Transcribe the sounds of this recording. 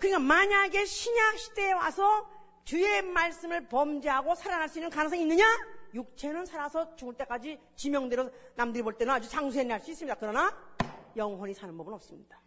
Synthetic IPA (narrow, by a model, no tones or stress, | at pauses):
kɯɲik͈amaɲaɡe̞ɕʰiɲak̚ɕʰi̥de̞wa̰sʰʌ | t͡ɕue̞maɭs͈ɯmɯɭpʌmd͡ʑiɦaɡosʰaɾanɦaɭs͈uinːɯnkanɯŋsʰaŋinːɯɲajuk̚t͡ɕʰe̞nɯnsʰaɾasʰʌt͡ɕuŋɯɭt͈e̞k͈ad͡ʑi | t͡ɕimjʌŋdweɾonamdɯɾiboɭt͈enɯnad͡ʑut͡ɕaŋsʰuenaɭs͈uis͈ɯmɲidakɯɾʌnajʌŋɦwʌɲisʰanɯnbʌbɯnʌp̚s͈ɯmɲid̥ḁ